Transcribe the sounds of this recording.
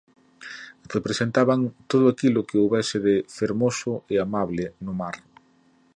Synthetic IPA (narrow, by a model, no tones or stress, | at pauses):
repɾesent̪aβaŋt̪oðʊakilʊkɪowβɛsɪðɪfeɾmosʊɪamaβlɪnʊmaɾ